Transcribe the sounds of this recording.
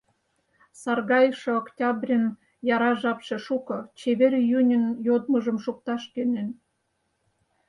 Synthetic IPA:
sɑrɣɑjʃĕoktʲɑbrʲən | jɑɾɑʒɑpʃeʃukɤ̆t͡ɕeβerʲjynʲə̆njod̪məʒəmʃuk̚t̪ɑʃkønen

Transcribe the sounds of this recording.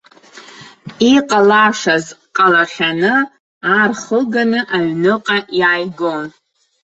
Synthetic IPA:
iqʼalaʂazqʼalaχʲanɨ | arχəɡanɨʔaɥnɨqʼajaːjɡon

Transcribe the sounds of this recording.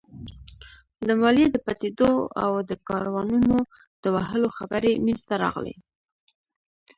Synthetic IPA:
ləmɑljed̪əpat̪ed̪oa̰wd̪əkɑɾwɑnuno | d̪̥əwaɦəloxabəɾemenzt̪aɾɑ̰ɣlḛ

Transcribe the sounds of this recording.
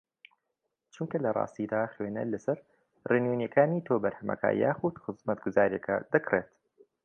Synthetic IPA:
t͡ʃuŋkɐlɐrˤɑ̰ːst̪id̪aːxweːnɐ̰lɐsɐɾ | renwenjɛkʰaːniːt̪ʰoːbɐɾhɐmɐ̰kʰɐ̰ja̰ːxud̪xɨzmɐt̪ɡʊzaːɾijɐ̰kʰɐ̰d̪̥ɐkreːt̪

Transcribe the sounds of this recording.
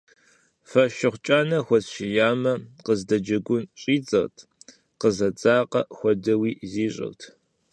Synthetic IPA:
fɐʃɪχʷt͡ʃʼaːnɐxʷɔzɕɪjaːmɐqəzdɐd͡ʒɐɡʷʊnɕʼiːt͡sɐrtʰ | qəzɐt͡sʼaːqɐ̰xʷɔdɐwiːziːɕʼɪ̰rtʰ

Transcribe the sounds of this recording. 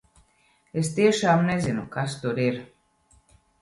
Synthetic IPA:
est̪iɛʃaːmnezinukast̪uɾiɾ

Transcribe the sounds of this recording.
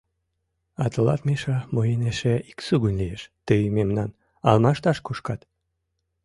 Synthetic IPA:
ɑt̪əlɑt̪meʃɑmojeneʃeiksuɣunʲlijeʃt̪əjmemnɑn | ɑlmɑʃt̪ɑʃkuʃkɑt̪

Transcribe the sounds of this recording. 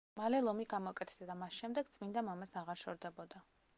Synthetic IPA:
malɛlˠɔmiɡamɔkʼɛt̪ʰd̪ad̪amasʃɛmd̪ɛɡ̚t̪sʼmind̪amamasaʁaɾʃɔɾd̪ɛbɔd̪a

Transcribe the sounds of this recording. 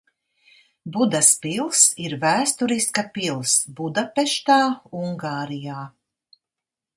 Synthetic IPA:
bud̪aspilˠsiɾvæːst̪uɾiskapilˠsbud̪apɛʃt̪aːuŋɡaːɾijaː

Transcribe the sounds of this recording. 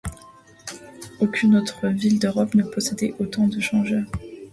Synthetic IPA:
okʲynot̪χəvild̪øʁɔpnəpɔsɛd̪ɛʔot̪ɑ̃d̪əʃɑ̃ʒœːʁ

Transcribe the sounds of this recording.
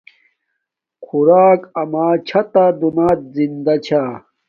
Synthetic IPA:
kʰuɾaːkɐmaːt͡ɕʰɐt̪ad̪unaːt̪̚zind̪ɐt͡ɕʰaː

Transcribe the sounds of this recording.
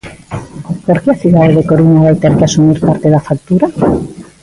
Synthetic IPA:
poɾkeaθiðaðeðekoɾuɲaβajt̪eɾkeasumiɾpaɾt̪eðafak̚t̪uɾa

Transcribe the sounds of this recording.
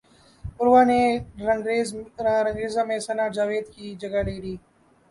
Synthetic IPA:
pʊɾʋaːneɾɡɾeːɾɐŋɡɾeːzãːmẽːsɐnaːd͡ʒaːʋeːd̪kiːd͡ʒəɡaleːɽiː

